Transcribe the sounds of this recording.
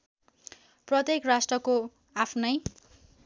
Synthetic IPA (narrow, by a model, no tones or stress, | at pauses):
prʌt̪jekrasʈrʌko | apʰnʌj